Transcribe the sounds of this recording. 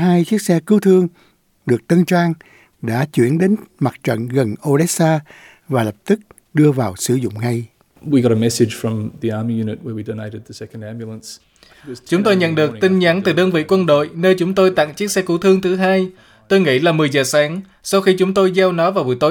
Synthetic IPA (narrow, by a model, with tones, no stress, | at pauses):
ɦaː˧jt͡ɕi˦˥ək̚sɛ˧kɨ˨˦wt̪ʰɨ˧əŋ | ɗɨ˨˩ək̚t̪ə˧nt͡ɕwaː˧ŋ | ɗa̰ː˧˥t͡ɕwḭ˧˩ənɗe˨˦nma˨˩t̚t͡ɕə̰˧˨nɣə˨˩nʔo˧ɗɛ˦˥saː˧ | vaː˨˩lə˨˩p̚t̪ɨ˦˥k̚ | ɗɨ˧əvaː˨˩wsɨ˧˩zʊ̰˧˨ŋ͡mŋa˧j | wiɡɑɾəmɛsɪdʒ̥fɹʌ̃mðiɑɹmijʉnɨt̚wə˞widoʊneɪɾɨd̪̚ðəsɛkndæ̃mbjl̩ˠə̃ns | t͡ɕʊ˨˦ŋ͡mt̪o˧jɲə̰˧˨nɗɨ˨˩əkt̪i˧ŋɲa˨˦nt̪ɨ˨˩ɗəː˧nvḭ˧˨kwə˧nɗo̰˧˨jnəː˧jt͡ɕʊ˨˦ŋ͡mt̪o˧jt̪a̰ː˧˨ŋt͡ɕi˦˥ək̚sɛ˧ku˨˦wt̪ʰɨ˧əŋt̪ʰɨ˨˦ɦaː˧j | t̪o˧jŋḭ˧˥laː˨˩mɨ˨˩əjzəː˨˩saː˨˦ŋ | sa˧wxi˧t͡ɕʊ˨˦ŋ͡mt̪o˧jzaː˧wnɔ˨˦vaː˨˩wvṵ˧˨jt̪o˨˦